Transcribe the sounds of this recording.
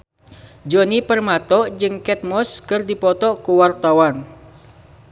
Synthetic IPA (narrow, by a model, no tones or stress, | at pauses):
d͡ʒonipərmat̪ɔʔd͡ʒɨŋkɛt̪̚mɔskɨrdipɔt̪ɔkuwart̪awan